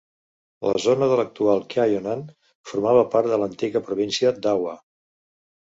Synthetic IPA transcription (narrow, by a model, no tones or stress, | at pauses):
lə̰zonəðələk̚t̪ualˠkajonan | fuɾmaβəpaɾt̪̚ðələnt̪iɣəpɾuβ̞insiəd̪awə